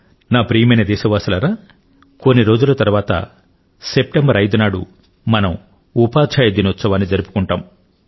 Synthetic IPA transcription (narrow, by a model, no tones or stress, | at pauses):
naːpɾijɐmɐjnɐd̪ɛːʃɐʋaːsɐlɐɾaː | konːiɾo̞ːd͡ʒulɐt̪ɐɾuʋaːt̪ɐ̰ | sep̚ʈembɐɾɐjd̪unaːɽṵ | mɐnɐm | upaːt͡ʃʰɐjɐd̪iniɐt̪sːɐʋaːnːid͡ʒɐɾupu̥kuɳʈaːm